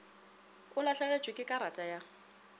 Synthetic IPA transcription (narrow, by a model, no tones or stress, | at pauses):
ʊlaɬaɣet͡ʃʼwɪkʼɪkʼaɾatʼaja